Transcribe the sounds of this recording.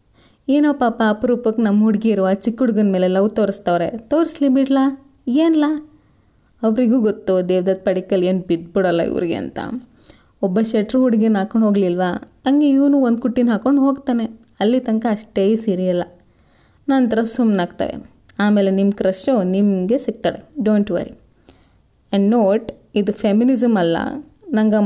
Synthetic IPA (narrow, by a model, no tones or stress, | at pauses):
eːnoːpaːpaːpɐɾuːpɐkːnɐmːɦuɽɡeiɾuʋaːt͡ʃikːɦuɽɡɐnmeːlelɐʋt̪oːɾist̪ɐʋɾe̞t̪oːɾslibiɽla | eːnla | ɐʋɾiɡuːɡot̪ːud̪eːʋd̪ɐd̪̚pɐɽikːɐle̞ːnbid̪̚biɽɐlːɐ̰ḭʋ̰ɾiɡḛɐ̰nt̪ɐ̰ | ɔbːɐʃeʈɾɦuɽiɡinaːkoɳɖɦo̞ːɡlilʋa | ɐŋɡeiʋnuond̪kuʈːinɦaːkoɳɖɦo̞ːɡt̪aːne̞ | ɐlːit̪ɐŋkɐɐʂʈesiɾiɐlːɐ | naːnt̪ɐɾɐsumnaːɡt̪a̰ːʋḛ | aːme̞ːle̞nimkɾɐʂonimɡe̞siɡ̚t̪aːɽeɖoːɳʈʋɐ̰ɾḭ | ɐɳɖnoːʈid̪upʰeminizɐmɐlːɐ̰ | nɐŋɡɐ